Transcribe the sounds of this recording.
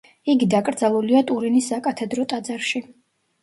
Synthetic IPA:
iɡid̪akʼɾd̪zalˠuliat̪ʼuɾinisːakʼat̪ʰɛd̪ɾɔt̪ʼad̪zaɾʃi

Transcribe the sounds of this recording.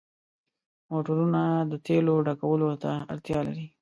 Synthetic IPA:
moʈəɾunad̪ət̪eloɖakawəlot̪aaɾt̪jɑlaɾi

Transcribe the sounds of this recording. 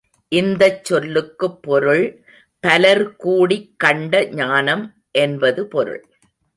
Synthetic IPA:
ʔɪnd̪ɐt͡ʃːɔlːɯkːɯpːɔɾɯɭ | pɐlɐɾkuːɽikːɐɳɖɐɲaːnɐm | ʔɛnbɐðɯpɔɾɯ̰ɭ

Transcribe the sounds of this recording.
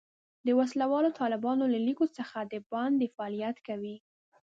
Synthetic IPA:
d̪əwaslawɑlot̪ɑlɪbɑnolalikosəxad̪əbɑnd̪efaɑlijat̪kawi

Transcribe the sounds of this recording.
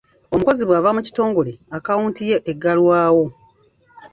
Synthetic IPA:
o̞muko̞ziβwaːvamuci̥to̞ːŋɡo̞leakawuːntije̞ʔeɡːalwaːwo̞

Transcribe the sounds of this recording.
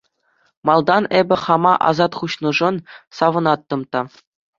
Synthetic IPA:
mɑlˠd̪ɑnebʲɘ̆χɑmɑʔɑ̰zɑt̪χuɕnɤ̆ʐɤ̆nsɑʋɤ̆nɑt̪ːɤ̆mt̪ɑ

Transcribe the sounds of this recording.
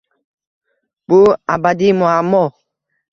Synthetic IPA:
b̥uabad̪imoamɔ

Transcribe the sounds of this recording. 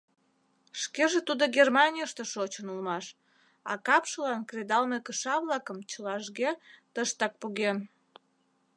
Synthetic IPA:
ʃkeʒet̪ud̪oɡermɑnʲijəʃt̪eʃot͡ɕənulmɑʃ | ɑ̰kɑpʃəlɑnkred̪ɑlmekəʃɑβlɑkəmt͡ɕəlɑʒɣet̪əʃt̪ɑk̚puɣen

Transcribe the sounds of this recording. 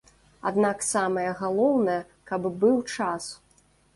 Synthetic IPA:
a̰d̪naksamɐjɐɣalˠɔwnɐjɛ | kɐbbɨwt͡ʂas

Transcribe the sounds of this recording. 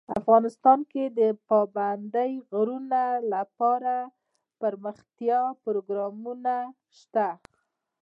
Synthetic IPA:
a̰fɣɑnɪst̪ɑnked̪əpɑband̪əjɣɾunalapɑɾa | pəɾməxt̪jɑpɾoɡɾɑmuna | ʃt̪a

